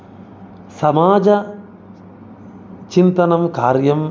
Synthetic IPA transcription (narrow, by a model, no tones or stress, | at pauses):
sɐmaːd͡ʒɐ | t͡ʃint̪ɐnɐmkaːɾjɐm